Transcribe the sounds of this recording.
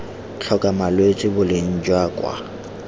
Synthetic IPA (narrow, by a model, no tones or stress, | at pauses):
t͡ɬʰɔkʼamalwet͡sʼɪbʊlɪn̩d͡ʒwakʼwa̰